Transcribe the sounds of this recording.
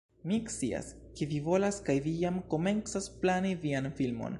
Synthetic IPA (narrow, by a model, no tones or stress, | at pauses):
mikt͡sḭa̰ske̞vivo̞laskajvijamko̞me̞nt͡sasplanivianfilmo̞̰n